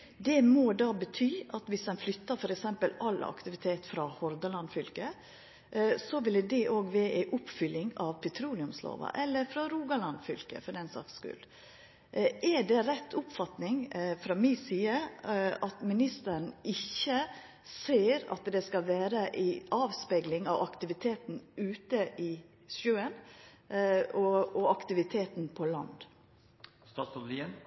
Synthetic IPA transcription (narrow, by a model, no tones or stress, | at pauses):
d̪ɛmɔd̪ɑːbət̪ʰyːɑt̪ʋɪsd̪ɛnflʏt̪ːəɾfɔɾɛksɛmpəlɑlɑ̰kt̪ɪʋɪt̪ʰeːt̪fɾɑhɔɾd̪ɑlɑnd̪fʏlkə | sɔʋɪlːd̪ɛʔoːɡʋeːʔæɪʔʊpfʏlːɪŋɑʋpʰɛt̪ʰɾuːlɪʉmslo̰ːʋɑ̰ʔɛlːəɾfɾɑɾuːɡɑlɑnd̪fʏlkə̰fɔɾɛnsɑ̰kskʉ̰l | ɛɖɛɾɛt̪ʰːʊpfɑt̪nɪŋfɾɑmiːsiːəɑt̪mɪnɪst̪əɾn̩ɪçːə | seːɾɑ̰t̪d̪ɛskɑlʋæːɾəʔɪʔɑːʋspeːɡlɪŋɑʋɑkt̪ɪʋɪt̪ʰeːt̪n̩ʉːt̪əʔɪ | ʃʉːən | ɔɔɑkt̪ɪʋɪt̪ʰeːt̪npʰɔlɑ̰nd̪ | st̪ɑːt̪sɔliən